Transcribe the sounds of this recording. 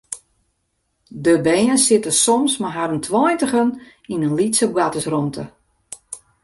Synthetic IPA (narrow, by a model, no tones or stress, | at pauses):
dəbɛjənsɪtəsɔmsmaɦaɾəntʰwɔjntəɣən | inənlitsəpɡatəsrɔntʰə